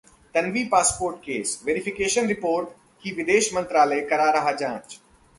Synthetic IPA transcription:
t̪ɐnʋiːpaːspoːɾʈ̚keːsʋeːɾɪfɪkeːʃənɾɪpoːɾʈ | kiːʋɪd̪eːʃmɐ̃nt̪ɾaːlekɐɾaɾɐɦad͡ʒãːt͡ʃ

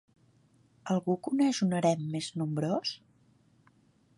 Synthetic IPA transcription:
əlˠɣukunɛʒunəɾɛmːeznumbɾos

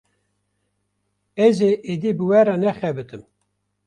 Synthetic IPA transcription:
ɛzeʔed̪ibɨwɛɾɑnɛxɛbɨt̪ɨm

